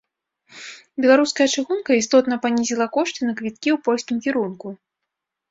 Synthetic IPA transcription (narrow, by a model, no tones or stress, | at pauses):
bʲɛlˠaɾuskɐjɐt͡ʂɨxunkɐist̪ɔt̪nɐpanʲizʲilˠɐkɔʂt̪ʲinɐkvʲit̪̚kʲiwpɔlʲsʲkʲimkʲiɾunku